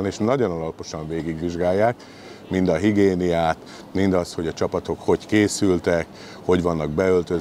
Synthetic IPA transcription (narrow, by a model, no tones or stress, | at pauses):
neːʃnɒɟo̞nɒlɒpo̞ʃɒɱveːɡiɡʋiʒɡaːjːaːk | mind̪ɒɦiɡeːnijaːt̪ | mind̪ɒst̪ho̞ɟɒt͡ʃɒpɒt̪o̞kho̞ckeːsylt̪ɛk | ho̞ɟʋɒnːɒɡ̚bɛø̞lt̪øz